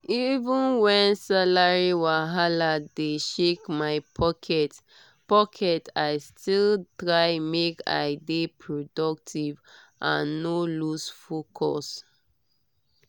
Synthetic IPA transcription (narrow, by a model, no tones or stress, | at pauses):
ivũnwɛ̃nsalaɹiwaɦaladeʃekmaɪpʰɔkʰɛt | pɔkʰɛtaɪstiltɹaɪmeka̰ɪdepʰɹodɔk̚tʰiv | ʔã̰nːolusfokʰɔ̰s